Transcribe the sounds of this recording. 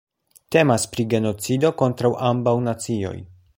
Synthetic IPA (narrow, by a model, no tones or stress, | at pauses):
te̞maspɾiɡe̞no̞t͡sido̞ko̞ntɾawʔambawnat͡sio̞̰j